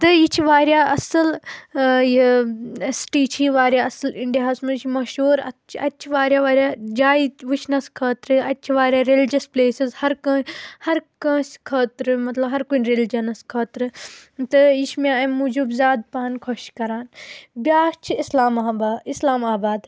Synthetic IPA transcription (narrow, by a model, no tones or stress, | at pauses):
t̪ɨjit͡ʃʰiʋaːɾjaːɐsɐl | ji | sʈiːt͡ʃʰiːʋaːɾʲjaːɐsɐliɳɖijaːsmɐt͡ʃʰimɐʃuːɾɐt͡ʃʰɐt͡ʃʰiʋaːɾjaːʋaːɾjaːd͡ʒaːiʋut͡ʃʰnɐskʰɐːt̪ɾɨɐt͡ʃʰiʋaːɾʲjaːɾeld͡ʒɐspleːsizhɐɾkɐ̃ːhɐɾkɐ̃ːskʰɐːt̪ɾɨmɐt̪lɐbɦɐɾkunɾeld͡ʒɐnɐskʰɐːt̪ɾɨt̪ɨiʃmãɐmud͡ʒubzʲaːd̪̚paːnkʰɔʃkɐɾaːnbʲaːt͡ʃʰiislaːmaaislaːmaːbaːd̪